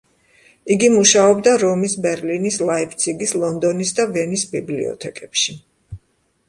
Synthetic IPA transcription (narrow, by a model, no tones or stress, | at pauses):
iɡimuʃaɔbd̪aɾɔmisbɛɾlinislˠaipʰt̪sʰiɡislˠɔnd̪ɔnisd̪avɛnisbiblḭɔ̰t̪ʰɛkʼɛpʃi